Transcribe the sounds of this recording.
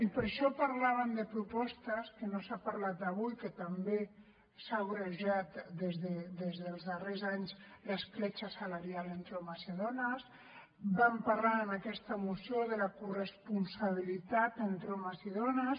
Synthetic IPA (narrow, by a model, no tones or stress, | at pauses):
ipəɾʃɔpaɾlaβ̞ənd̪əpɾupɔst̪əskənosapaɾlat̪̚d̪əβujkət̪əmbe | saɣuɾəʒat̪d̪ezðəd̪ezðəlˠzðərezaɲzləsklet͡ʃəsalaɾjalent̪ɾomaseðonəs | bampaɾlaənakɛst̪əmusjoðələkurəspunsaβ̞ilit̪at̪ənt̪ɾoməziðonəs